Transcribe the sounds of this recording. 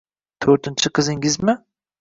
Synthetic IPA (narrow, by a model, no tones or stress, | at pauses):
t̪ʰɵɾt̪ɪnt͡ʃʰɪqʰɨzɪŋɡʲɪzmɪ